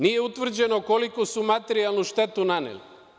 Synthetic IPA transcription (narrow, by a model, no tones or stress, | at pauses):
nije̞ut̪ʋr̩d͡ʑe̞nokolikosumat̪eɾialˠnuʃt̪e̞t̪unanḛli